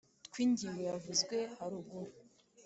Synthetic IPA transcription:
tkwiːɲɟiwejavuzɡwe̞haɾub̚ɡoɾ

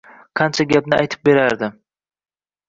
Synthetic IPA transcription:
qʰɑnt͡ʃʰaɡʲapnɪajt̪ʰɪp̚be̞ɾaɾd̪ɪ

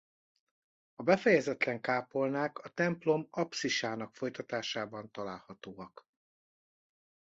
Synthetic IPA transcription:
ɒbɛfɛjɛzɛt̪lɛŋkaːpo̞lnaːkɒt̪ɛmplo̞mɒpsiʃaːn̪ɒkfo̞jt̪ɒt̪aːʃaːbɒnt̪ɒlaːlhɒt̪oːɒk

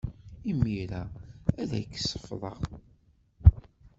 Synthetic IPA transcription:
imːiɾææðæ̰jkːsːə̥fðˤəʁ

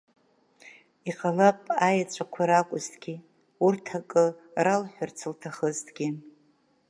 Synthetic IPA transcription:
iqʼalapʼajat͡ʃʷʰʼakʷʰaɾakʷʼʊztʰʼɡʲi | urtʰakʼɨralħʷᶣart͡sʰɨltʰaχəztʰʼɡʲi

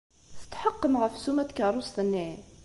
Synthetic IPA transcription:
θət̪ħəqːəmʁəfsumæt̪kəɾˤosˤt̪ənːi

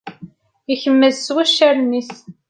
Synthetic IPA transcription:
içəmːəðswæʃæɾnis

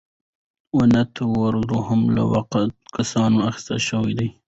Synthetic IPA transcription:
wanat̪ʰawaɾd̪oɦamla̰wa̰qt̪̚kasɑnoaxɪ̥st̪a̰ʃəwijd̪aj

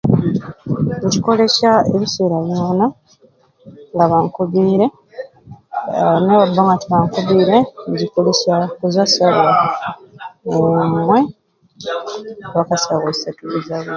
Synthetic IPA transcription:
uciko̞le̞ʃaḛβise̞ːɾaβjoːna | ŋɡaβaŋkuβiːɾe̞ | neβabːaŋɡatiβaŋkuβiːɾeɲɟikolesakuzasaβa | emwe | βakasaɣasatuβuzaβe

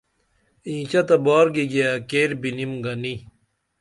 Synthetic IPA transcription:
ĩːt͡ɕɐt̪ɐbaːɾɡiɡiakeːɾbinimɡɐni

